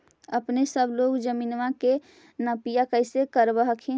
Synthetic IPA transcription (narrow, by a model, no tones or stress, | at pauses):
əpnesəbloːɡd͡ʒəmiːnʋake | nəpijakəɪsekəɾbəɦəkʰẽ